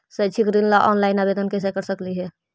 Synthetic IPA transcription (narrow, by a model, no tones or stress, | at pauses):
sət͡ʃʰikɾillaʔɔnlaɪnabed̪ənkes̬ekəɾsəkliɦɛ